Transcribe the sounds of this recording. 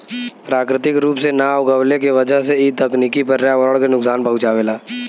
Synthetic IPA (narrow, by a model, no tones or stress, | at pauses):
pɾaːkɾɪt̪ɪkɾuːpsenaːɡəwlekeʋəd͡ʒəɦseiːɐkniːkipɐɾɾjaʋəɭkenʊksaːnpɐɦʊt͡ʃaːʋeːlaː